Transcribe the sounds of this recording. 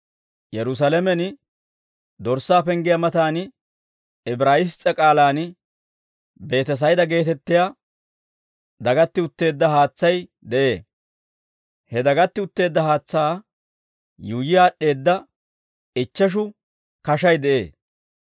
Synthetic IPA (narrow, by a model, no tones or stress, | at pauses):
jɛɾʊs̬ɐlɛmɛn | d̪ɔɾsːaːpɛŋɡɪjɐmɐt̪aːn | ɪbɾaːjɪst͡sʼːɐkʼaːlaːn | be̞ːt̪ɛs̬ɐjd̪ɐɡe̞ːt̪ɛt̪ːɪja | d̪ɐɡɐt̪ːɪʊt̪ːe̞ːd̪ːɐhaːt͡sːɐjd̪ɛʔe̞ː | hɛd̪ɐɡɐt̪ːɪʊt̪ːe̞ːd̪ːɐhaːt͡sːaː | juːjɪjaːɗːe̞ːd̪ːɐ | ɪt͡ʃːɐʃ̬ʊ | kɐʃɐjd̪ɛʔe̞̰ː